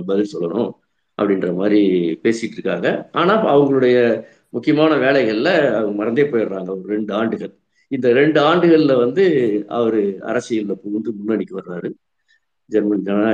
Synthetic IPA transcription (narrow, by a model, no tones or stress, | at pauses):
bɐðɪɾsɔlːɐɳʊ̃ | ʔɐ̰pːɐɽɪnrɐmaːd̪ɾipeːsɪʈːɾɯkːaːŋɡɐaːnaːɐʋɐŋɡɐɭɯɽɐjɐ | mʊkːɪjɐmaːnɐʋeːlɐɪɣɐɭɪlɐɐʋɡmɐɾɐnd̪eːpːoːjɪɾɾaːŋɡɐʋɐɾɯɾɛɳɖɯaːɳɖɯɣɐɭ | ɪnd̪ɐɾɛɳɖɯaːɳɖɯɣɐɭɪlɐʋɐnd̪ɯɐ̰ʋɐɾɯɐ̰ɾɐsːɪjɪllɐpuːnd̪ɯmʊnːɐnɪkːɯʋɐɾɾaːɾɯ | d͡ʒɛɾmɐnd͡ʒɐna